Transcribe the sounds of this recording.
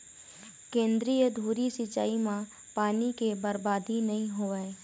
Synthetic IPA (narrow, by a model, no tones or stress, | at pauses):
kẽːnd̪ɾijəd̪ʱuːɾisɪt͡ʃa̰ːimã | paːnikebəɾbaːd̪inɐɦĩɦoːʋəe